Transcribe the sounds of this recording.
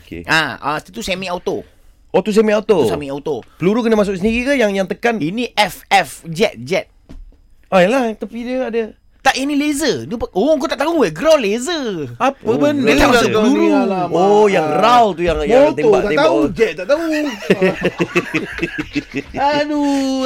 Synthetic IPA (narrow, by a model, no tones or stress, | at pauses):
okḛʔa̰a̰t̪t̪usemiawt̪o̰ | ot̪us̬emiaut̪osamiawt̪opəluɾukənəmas̬ʊks̬əndiɣikəjaŋjaŋt̪əkaniniʔɛfɛfd͡ʒɛt̪̚d͡ʒɛt̪̚ | ajɛlaht̪apidəadə | t̪aʔinilezənipʔok̬ot̪aʔt̪aueɡɾɔlezəapəbənd̪aasəluɾuojaŋralt̪ujaŋjat̪mbaʔt̪aetbaad͡ʒɛt̪̚t̪aʔt̪au | adu